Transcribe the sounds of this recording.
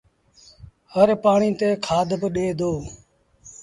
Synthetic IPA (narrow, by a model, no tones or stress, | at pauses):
həɾpaːɳiːt̪eːkʰaːd̪ʱbəɗeːd̪ʱoː